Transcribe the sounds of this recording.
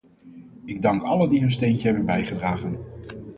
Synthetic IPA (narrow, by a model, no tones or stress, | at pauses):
ɪɡ̚dɑŋkɑləndiɦɵnstejncəɦɛbənbɛjχədraːχən